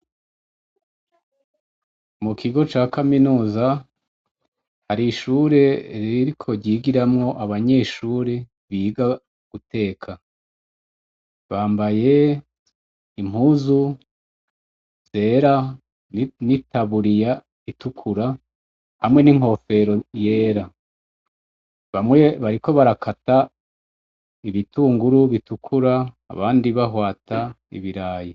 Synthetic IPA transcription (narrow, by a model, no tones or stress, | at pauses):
mukʰiɡo̞t͡ʃaːkaminuːza | haɾiʃuɾe̞ɾiɾikʰo̞ɾɟiːɡiɾamŋo̞ʔaβaɲe̞ʃuːɾe̞ | βiːɡa | ɡ̥utʰe̞ːkʰa | βaːmbaje̞ | im̥huːzu | z̥e̞ːɾa | nitaβuɾija | itukʰuɾa | hamŋe̞niŋho̞fe̞ɾo̞je̞ːɾa | βamŋweβaɾiko̞βaɾakʰata | iβituːŋɡuɾuβitukʰuɾa̰ː | βaːndiβaɦwaːtʰa | ḭβiɾaːji